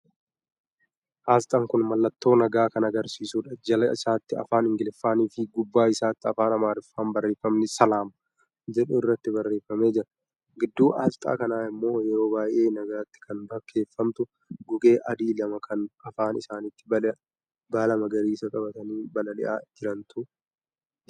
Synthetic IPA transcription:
ʔaːst̪ʼɐŋkʊnmɐlːɐt̪ːo̞ːnɐɡaːkɐnɐɡɐɾsiːsuːᶑɐd͡ʒɐlɐɪsaːt̪ːɪɐ̰faːnɪŋɡɪlɪfːaːniːfɪɡʊbːaːɪsaːt̪ːɪɐfaːnɐmaːɾɪfːaːnbɐrːeːfɐmnɪsɐlaːmɐ | d͡ʒɛᶑʊɪrːɐt̪ːɪbɐrːeːfːɐme̞ːd͡ʒɪɾɐ | ɡɪd̪ːuːʔɐ̰lt̪ʼa̰ːkɐnaːɪmːo̞ːjɛɾo̞ːbaːjʔe̞ːnɐɡaːt̪ːɪ̥kɐnbɐkʰːe̞ːfːɐmt̪ʊ | ɡʊɡe̞ːʔɐd̪iːlɐmɐkʰɐnɐfaːnɪsaːnɪt̪ːɪ̥bɐ | balɐmɐɡɐɾiːsɐkʼɐbɐt̪ɐniːbɐlɐlɪ̰ʔa̰ːd͡ʒɪɾɐnt̪ʊ

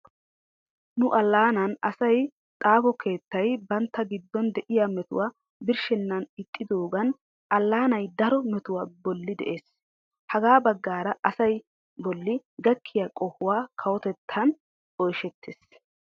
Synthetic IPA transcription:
nʊʔɐlːaːnɐnɐsɐj | t̪ʼaːfɔke̞ːt̪ːɐjbɐnt̪ːɐɡɪd̪ːɔnd̪ɛʔɪjamɛt̪ʊ̰waː | bɪɾʃɛnːɐnɪt̪ʼːɪd̪oːɡɐn | ʔɐlːaːnɐjd̪ɐɾɔmɛt̪ʊwaːbɔlːɪd̪ɛ̰ʔe̞ːs | hɐɡaːbɐɡːaːɾɐʔɐsɐj | bɔlːɪɡɐkʰːɪjɐkʼɔhʊwaːkʰɐwɔt̪ɛt̪ʰːɐn | ɔjʃɛt̪ʰːeːs

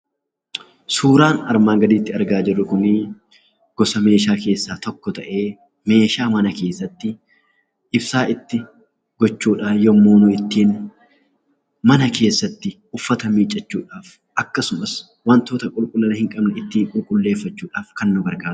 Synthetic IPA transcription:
suːɾaːnɐɾmaːŋɡɐd̪iːt̪ːɪɐɾɡaːd͡ʒɪrːʊkʊnɪ | ɡ̥ɔsɐme̞ːʃaːke̞ːsːaːt̪ɔkːɔt̪ɐʔe̞ː | me̞ːʃaːmɐnɐke̞ːsːɐt̪ːɪ | ɪbsaːʔɪt̪ːɪ | ɡɔt͡ʃːuːᶑaːjɔmːoːnʊɪt̪ːiːn | mɐnɐkʰe̞ːsːɐt̪ːɪ | ʊfːɐt̪ɐmiːt͡ʃʼːɐt͡ʃːuːᶑaːf | ʔɐkːɐsʊmɐs | wɐnt̪oːt̪ɐkʼʊlkʼʊlːɐnɐhɪŋkʼɐbnɛɪt̪ːiːŋkʼʊlkʼʊlːe̞ːfːɐt͡ʃːuːᶑaːfkɐnːʊbɐɾkaː

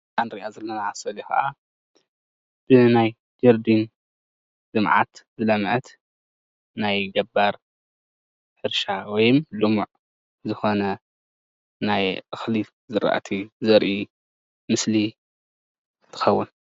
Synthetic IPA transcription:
and̪ɾiʔazɐlːonaʕasɐlixɐ̰ʔa | b̥ɨnaj | d͡ʒɐɾd̪in | lɨmʕa̰t̪bɨlɐmʕɐt̪ | najɡɐbaɾ | ħɨɾʃawɔjɪmlɨmuʕ | zɨxo̞nɐ | najʔɨxli | zɨɾa̰ʔt̪ʰizɐɾʔi | mɨsli | t̪ʰɨ̥xɐwːʊn

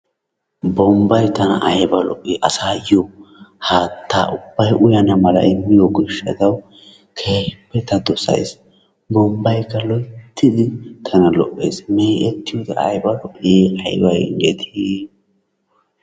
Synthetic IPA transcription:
bɔmbɐjt̪ɐnɐ̰ʔɐjbɐlɔ̰ʔʼːɪʔɐsaːjɔhaːt̪ʰːa̰ːʔʊb̥ːɐjʔʊjɐnɐmɐlɐ̰ʔɪmːɪjɔɡɪʃɐ̰d̪ɐw | kʰeːpːɛt̪ːɐd̪ɔsɐ̰js | bɔmbɐjkːɐlɔjt̪ʰːɪd̪ɪt̪ʰɐnɐlɔʔːḛːsmeːʔɛt̪ːɪjɔd̪ɐɐ̰jbɐlɔʔɪjeɐjbɐjɡet̪ʰi

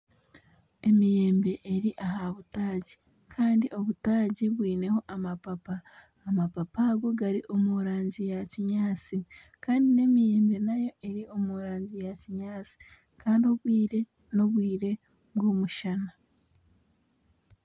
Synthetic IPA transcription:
e̞mije̞ːmbe̞ʔeɾiʔaɦaβutaːɟi | kʰaːndiʔo̞βutaːɟiβwiːne̞ho̞ʔamapapaː | mapapaɡo̞ɡaɾiʔo̞muɾaːɲɟijaciɲaːt͡si | kaːndine̞mije̞ːmbe̞najo̞ʔe̞ɾio̞muɾaːɲɟijaciɲaːt͡si̥ | kaːndio̞βwiːɾe̞ | no̞βwiːɾe̞ | βɡomuʃana

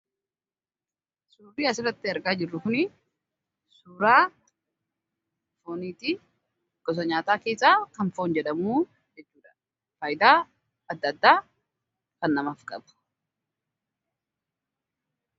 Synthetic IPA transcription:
suːrːiːɐsɪrːɐt̪ːɪɐɾɡaːd͡ʒɪrːʊkʊnɪ | suːɾaː | foːniːt̪i | ɡ̥ʼɔs̬ɐɲaːt̪aːke̞ːsːaːkɐnfo̞ːnd͡ʒɛᶑɐmuː | d͡ʒɛt͡ʃːuːᶑɐ̥ | faːjɪd̪aː | ɐd̪ːɐd̪ːaː | kɐnːɐmaːfkʼɐbɐ̥

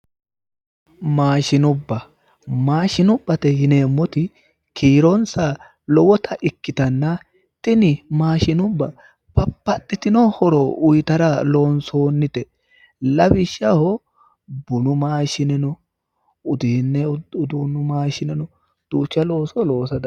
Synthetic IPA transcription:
maːʃɪnʊbːɐ | maːʃɪnʊbːɐt̪ɛjɪne̞ːmːɔt̪ɪ | kʰiːɾɔnsa | lɔwɔt̪ʰɐʔɪkːɪt̪ɐnːɐ | t̪ɪnɪmaːʃɪnʊbːɐ | pɐpːɐt̪ʼːɪt̪ɪnɔhɔɾɔʊjt̪ɐɾɐlo̞ːnsoːnːɪt̪ɛ | lɐbɪʃːɐhɔ | bʊnʊmaːʃɪnɛnɔ | ʊd̪iːnːɛʊd̪uːnʊmaːʃɪnɛnɔ | d̪̥uːt͡ʃːɐlo̞ːsɔlo̞ːsɐd̪

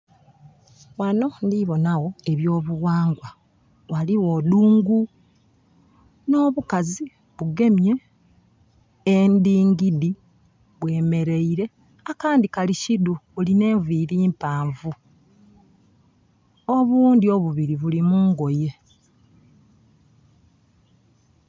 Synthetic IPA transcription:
wano̞ndiβo̞naɣo̞e̞βjo̞ːβuwaːŋɡwa | waliwo̞duːŋɡu | no̞ːβukazi | βuɡe̞mje̞ | ndiːŋɡidi | βwe̞ːme̞ɾe̞iɾe̞ | akaːndikaliciduβuline̞ːɱviɾiːmpaːɱvu | o̞βuːndio̞βuβiɾiβulimuːŋɡo̞je̞

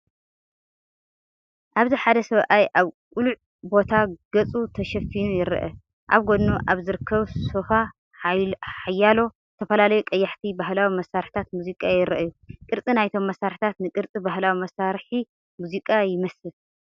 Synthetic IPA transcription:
ʔaβziħad̪ɐsɐβʔajʔaβkʼuluʕ | bo̞t̪ʰaɡ̥ɐt͡sʼut̪ʰɐʃɐfinujɪɾɐ̰ʔɐ̰ | ʔa̰βɡo̞d̪nuʔaβzɨɾɨkʰːɐβsofa | ħajːalo̞zɨt̪ʰɐfɐlalɐjukʼɐjːɐħt̪ʰibahlawimɐsːaɾħt̪ʰat̪muzikʼajɪɾɐʔɨju | kʼɨɾt͡sʼinajt̪ʰo̞mːɐsaɾħt̪ʰat̪nɨkʼɨɾt͡sʼibahlawimɐsaɾħi | muzikʼajɪmɐsɨl

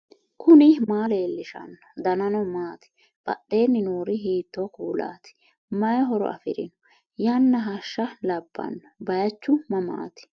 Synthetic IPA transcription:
kʰʊnɪmaːle̞ːlːɪʃɐ̰nɐd̪ɐnɐnɔmaːt̪ɪ̥ | b̥ɐ̰ɗːe̞ːnːɪnoːɾɪɦiːt̪ːɔkuːla̰ːt̪ɪ̥ | mɐjɦɔɾɔ̰ʔɐ̰fɪɾɪnɔ | jɐnːɐɦɐʃːɐlɐbːɐ̰nːɐbɐjɐt͡ʃːʊmɐma̰ːt̪ɪ̥

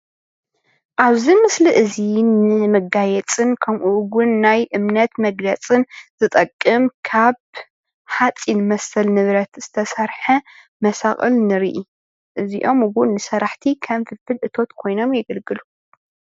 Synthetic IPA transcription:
ʔaβzimɨsliʔɨzinɨmɨɡajɛt͡sʼɨnkʰɐmʔuwʊnːajʔɨmnɐt̪mɐɡlɐt͡sʼɨnzɨt̪ʼɐkʼːɨmkʰaβ | ħat͡sʼinmɐsɐlnɨβɾɐt̪z̥ɨt̪ʰɐsɐɾħɐ | mɐsaχʼɨ̰lnɨɾḭʔi | ʔɨziʔo̞mɨwʊnːɨsɐɾaħt̪ʰikʰɐmfɨlfɨlʔɨt̪ʰo̞t̪kʰo̞jno̞mjɛɡɐlɡɨlu

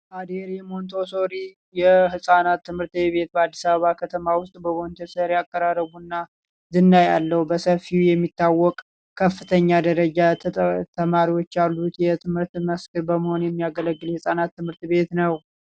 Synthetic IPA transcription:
ʔad̪eɾjɛmo̞nt̪ʰo̞soɾi | jɛhɨsʼanat̪ːɨmhɨɾt̪βe̞t̪̚bəad̪ːisaβəβakʰət̪ʰəmawʊst̪ʼbəβont̪ʰəsəɾjakʼːəɾarːəβunːa | d̪ɨnːajalːəhubəsəfːijɛmːit̪ʰːawːɔkʼ | kʰəfːɨt̪ʰəɲːad̪əɾəd͡ʒat̪ʰəmaɾiwo̞t͡ʃːjalːut̪jɛt̪ʰɨmhɨɾt̪məskɨɾbəməho̞njɛmːijaɡələɡːɨljɛhɨsʼanat̪ːɨmhɨɾt̪be̞t̪nəw

